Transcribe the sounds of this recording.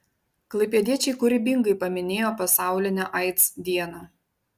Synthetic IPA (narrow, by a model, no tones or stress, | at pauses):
klˠɐɪpʲeːd̪ʲiɛt͡ʃʲɛɪkʊɾʲɪbʲɪŋɡɐɪpɐmʲɪnʲeːjoːpɐsɑˑʊlʲɪnʲoʔɑɪt̪sd̪ʲiɛnoː